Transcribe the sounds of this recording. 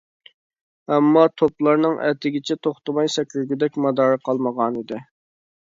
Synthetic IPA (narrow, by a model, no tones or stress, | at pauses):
ɛmːɑt̪ʰoplˠɑɾnɨŋʔɛ̰t̪ʰɪɡʲɪt͡ʃʰɛt̪ʰoχt̪əmɑjsɛkʲʰyɾɡʲyd̪ɛkʲmɑd̪ɑːɾəqʰɑlˠməʁɑnid̪ɪ